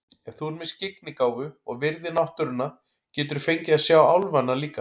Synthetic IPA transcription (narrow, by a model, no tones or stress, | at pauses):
ɛ̥θuɛɾmɪscɪknɪkaːwvʏɔɣvɪɾðɪnawht̪ʏɾʏnːa | cɛːt̪ʏɾ̥fejɲcɪaðsjaːwawlvanːaliːka